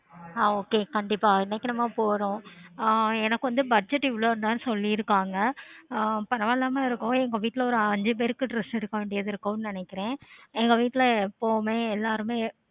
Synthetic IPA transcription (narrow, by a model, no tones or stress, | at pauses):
aːoːkeːkɐɳɖɪpːaːɪnɐkːɪɳɐmaːpoːɾʊ̃ | ɛnɐkːɯʋɐnd̪ɯbɐd͡ʒɛʈːɪʋloːɾɯnd̪aːnɯsɔlːiɪɾɯkːaːŋɡɐ | pɐɾɐʋalːaːmeːɪɾɯkːʊ̃ɛŋɡɐʋiːʈːɪlɐɔɾɯɐɲd͡ʒɯp̬eːɾɯkːɯʈɾɪsʈɪɾɯkːɐʋeːɳɖɪjɐðɪɾɯkːʊ̃nɪnɛkːɪɾẽːɛŋɡɐʋiːʈːɪlɐpoːmeːɛlːaːɾɯmeː